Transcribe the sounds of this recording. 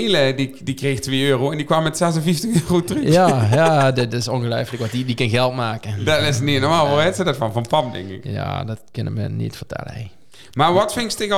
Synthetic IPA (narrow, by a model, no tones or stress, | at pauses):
lədidikrextʋeːøːroɛndikʋɑmːɛtsɛsənfiftəxøːrotrəjajadɪtɪsɔnɣəlœjfləkʋɔtidikənɣɛlˠtmaːkədɔtɪsnitnɔɹmaːlˠʋɔɛtsədɔtfɑnvɑnpɑmdɛ̰ŋkɪ̰kja̰dɔt̚kʏnɪ̰kmə̰nḭtfərtɛ̰lə̰ḛ | maːɹʋɑtfɪŋstɪɣ